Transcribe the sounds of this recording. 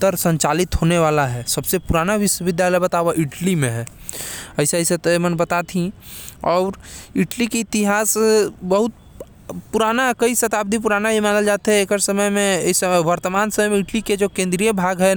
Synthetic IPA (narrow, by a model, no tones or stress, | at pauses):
t̪əɾsə̃ɲt͡ʃaːlɪt̪ɦoːneʋaːlaɦɛsɐbsepuɾaːnaʋɪʃwəʋɪd̪jaləjbət̪aːʋaʔɪʈlimẽɦɛːəɪsaset̪mənbɐt̪at̪ʰĩɔːɾɪʈlikeɪt̪ɪɦaːsbəɦʊt̪̚ | puɾaːnakɐisɐt̪aːb̚d̪ʱip̬ʊɾaːnaɦimaːnəld͡ʒaːt̪eɦɛekəɾsəməjmẽsʋəɾt̪əmaːnsəməjmẽɪʈliked͡ʒokẽːnd̪ɾijəbʱaːɡɦɛ